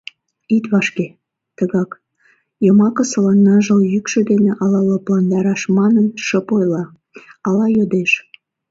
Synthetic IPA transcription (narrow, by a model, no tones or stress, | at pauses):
it̪βɑʃke | t̪əɣɑk | jəmɑkəsəlɑnːɑʒəljykʃə̆d̪eneʔɑlɑloplɑnd̪ɑɾɑʃmɑnənʃəpojlɑ | ɑlɑjod̪eʃ